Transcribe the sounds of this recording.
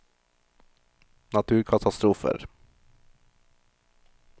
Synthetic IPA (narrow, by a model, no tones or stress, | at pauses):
nat̪ʰʉːɾkʰat̪ʰast̪ɾuːfə̰ɾ